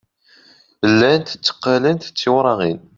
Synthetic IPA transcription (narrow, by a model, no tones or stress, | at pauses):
əlːænt̪ə̥t͡sːə̥qːalənt̪t͡sːiwɾˤɑʁin